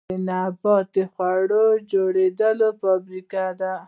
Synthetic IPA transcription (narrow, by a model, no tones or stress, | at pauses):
enabɑt̪exwaɽod͡ʒoɽed̪əlopabɾikad̪a